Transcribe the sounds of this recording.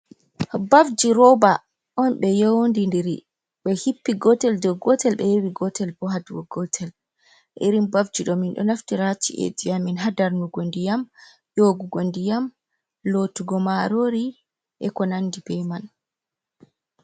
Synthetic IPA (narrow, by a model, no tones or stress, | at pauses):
bafd͡ʒiɾɔba | ʔɔnɓɛjowndindiɾi | ɓɛhipːiɡɔtɛldɔɡɔtɛlɓɛjewiɡɔtɛlbɔɦaduɡɔɡɔtʰɛl | ʔḛɾimbafd͡ʒiɗɔminɗɔ̰naftiɾatḭʔḛd͡ʒijaminɦadaɾnuɡondijam | joɡuɡondijam | lotuɡɔmaɾoɾi | ʔɛkɔnandibɛman